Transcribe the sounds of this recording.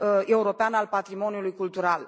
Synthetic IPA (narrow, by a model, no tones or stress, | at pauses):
e̞uɾo̞peanalpat̪ɾimo̞niulujkult̪uɾal